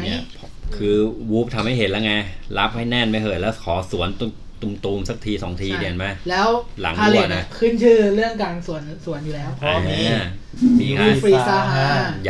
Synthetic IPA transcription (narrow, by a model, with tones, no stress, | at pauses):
ni˥˩ | kʰɯː˧wuː˦˥p̚t̪ʰa˧mha˥˩jɦe˨˦nlɛː˦˥wŋa˧jla˦˥p̚ha˥˩jnɛ˥˩nma˥˩jɦʰɤː˨˩t̪̚lɛː˦˥wkʰɔː˩˦su˩˦ənt̪u˧ | t̪uː˧mt̪uː˧msa˧˩k̚t̪ʰiː˧sɔː˩˦ŋt̪ʰiː˧d̪i˧˩ənma˦˥lɛː˦˥wla̰˨˩˦ŋʰː˧ule˨˩na˧˩kʰɯː˦˥˩nt͡ɕʰɯː˥˩ɾɯ˥˩əŋkaː˧nsu˨˩ənsu˨˩˦ənjuː˨˩lɛː˦˥wpʰɔa˧˥˦ | siː˨˩˦aː˦˥fɾiː˧sa˧ɦa˨˦